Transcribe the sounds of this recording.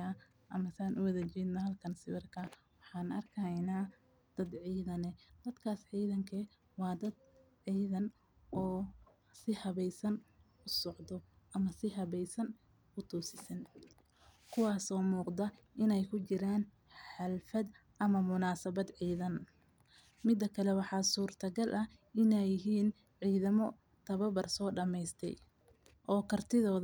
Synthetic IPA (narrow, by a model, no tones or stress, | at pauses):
aː | ʔɐmɐsaːnʔʊwɐðɐt͡ʃiːd̪nɐɦɐlkʰɐnsɪwɐrkʰɐ | wɑħɑːnɐrkʰɐjnaː | d̪̥ɐd̪ʕiːðɐnɛd̪̥ɐd̪kʰaːsʕiːðɐŋkʰɛ | wɑːd̪ɐd̪̚ | ʕiːðɐn | ʔɔː | sɪhɐβɛjsɐn | ʊsɔʕd̪ɔʔɐmɐsɪɦɐβɛjsɐn | ʊt̪ʰuːsɪsɐn | kʰʊwɑːsɔːmuːqd̪ɐ | ʔɪnɛjkʰʊt͡ʃɪɾaːn | ħɑlfɐd̪ | ʔɐmɐmʊnaːsɐβɐd̪ʕiːðɐn | mɪd̪ːɐkʰɐlɛwɑħɑːsuːrt̪ʰɐɡɐlʔɐ | ɪnɛjɪɦiːn | ʕiːðɐmɔ | t̪ʰɐβɐbɐrsɔːɖɐmɛjst̪ʰɛ̰j | ʔɔːkʰɐrt̪ʰɪðɔːð